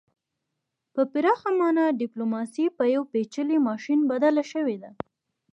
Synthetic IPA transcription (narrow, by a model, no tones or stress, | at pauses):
pəpɪɾɑxamɑnaɖɪplomɑsipəjawpet͡ʃəlimɑʃinbad̪alaʃəwed̪a